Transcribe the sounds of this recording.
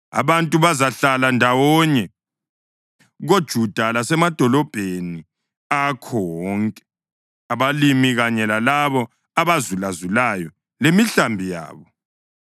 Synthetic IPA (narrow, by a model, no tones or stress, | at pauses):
a̰βantʼuβazaɬalandʱawɔɲɛ | ɣod̥ʒ̥ʱud̥ʱalasɛmad̥ʱɔlɔb̥ʱeni | akʰɔwɔŋkʼɛ | aβalimiɣaɲɛlalaβɔ | aβazulazulajɔ | lemiɬambʱija̰ːβɔ